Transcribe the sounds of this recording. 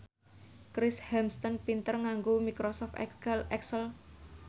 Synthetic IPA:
kɾɪshɛmst̪ənpint̪ərŋaŋɡomikɾosɔft̪ɛɛksəl

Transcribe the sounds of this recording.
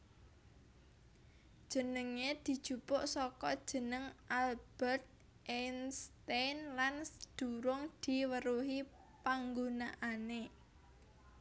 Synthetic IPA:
d̥ʒ̥ə̤nəŋed̪̥i̤d̥ʒ̥ṳpʊʔsɔkɔd̥ʒ̥ə̤nəŋʔalb̥ɛrt̪̚ | ʔɛnst̪enlansd̪̥ṳɾʊŋd̪̥i̤wəɾuɦi | paŋɡunaʔane

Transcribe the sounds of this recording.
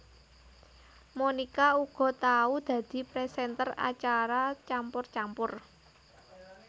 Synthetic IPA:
monikauɡ̥ɔ̤t̪aud̪̥ä̤d̪̥i̤pɾɛsɛnt̪əra̰t͡ʃaɾat͡ʃampʊrt͡ʃampʊr

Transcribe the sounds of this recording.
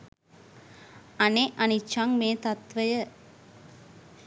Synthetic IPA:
ɐneʔɐnit͡ʃːaŋmeːt̪ɐt̪ʋɐjə

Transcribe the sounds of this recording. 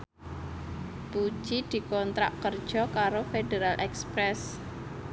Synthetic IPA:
pu̥ʒ̥id̪̥i̤kɔnt̪ɾa̰ʔkərd̥ʒ̥ɔ̤kaɾofedeɾalʔɛkspɾɛs

